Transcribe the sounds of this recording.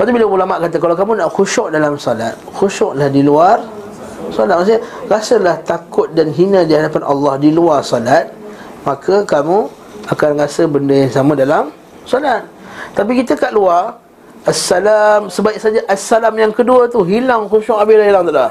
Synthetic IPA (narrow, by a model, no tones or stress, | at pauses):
pat̪ubilaulamaʔ̚kat̪əkalawkamũnaʔxuʃɔʔdalamsɔlat̪̚xuʃɔʔlahdiluar | sɔlat̪̚maʔs̬ɲaɾasəlaht̪akʊt̪̚danɦinə̃diɦadapanʔɑ̰lːɑhdiluarsɔlat̪̚ | makʰəkamũ | akanrasəbəndəjaŋsamãdalam | sɔlat̪̚t̪ap̬ikit̪əkaʔluar | ʔasːalamsəbaɪk̚sad͡ʒaʔasːalamjaŋkəduət̪uɦilaŋxuʃɔʔabelahɦilaŋt̪aʔlah